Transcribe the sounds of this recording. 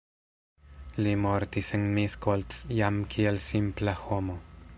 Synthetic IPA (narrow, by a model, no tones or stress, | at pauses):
limoɾt̪iseŋmiskolt̪sjamkʰielsimplaxomo